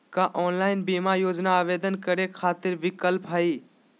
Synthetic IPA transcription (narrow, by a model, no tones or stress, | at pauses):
kaʔɔːnlaːɪnbiːmajoːd͡ʒnaaːʋeːd̪ənkəɾekʰaːt̪ɪɾbɪkəlpɦaiː